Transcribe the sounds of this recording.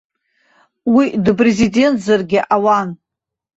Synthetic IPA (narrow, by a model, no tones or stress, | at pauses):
widɨpʼre̞zidʲe̞ntʰzarɡʲɪʔawan